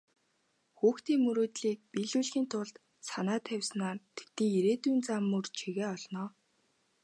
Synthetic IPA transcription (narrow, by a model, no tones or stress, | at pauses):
xuːxt̪iːŋmːɵɾoːt̪ɮiːk̚piːɮuːɮxiːnt̪ʰʊɮt̪ | sanaːt̪ʰæwʲsnaːrt̪ʰe̥t̪niːeɾeːt̪uːnt͡samːɵrt͡ɕʰiɣeːɔɮnɔː